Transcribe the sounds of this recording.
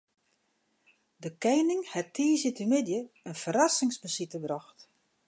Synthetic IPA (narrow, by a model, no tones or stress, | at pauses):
dəkɛjnɪŋhɛtʰiːzitəmɪdjəənfəɾasɪŋsbəsitəbrɔxt